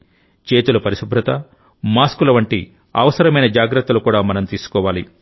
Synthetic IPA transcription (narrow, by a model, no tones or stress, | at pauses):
t͡ʃe̞ːt̪ulɐpɐɾiʃubʱɾɐt̪ɐ | maːskulɐʋɐɳʈi | ɐ̰ʋɐsɐɾɐmɐjnɐd͡ʒaːɡɾɐt̪ːɐlukuːɽaːmɐnɐmt̪iːsu̥kɔːʋaːli